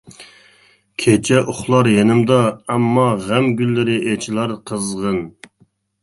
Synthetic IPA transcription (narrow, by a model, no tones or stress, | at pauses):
kʲʰet͡ʃʰɛʔʊχlˠɑɾjenɪmd̪ɑɛmːɑʁæmɡʲylːɪɾɪʔet͡ʃʰilˠɑɾqʰəzʁən